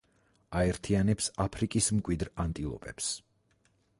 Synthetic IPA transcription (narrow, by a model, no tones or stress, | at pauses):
aɛɾt̪ʰianɛpsapʰɾikʼismkʼwid̪ɾant̪ʼilˠɔ̰pʼɛps